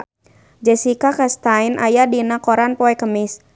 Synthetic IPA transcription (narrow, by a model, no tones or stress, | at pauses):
d͡ʒɛsikakast̪ainʔajadinakɔɾanpɔɛkəmɪs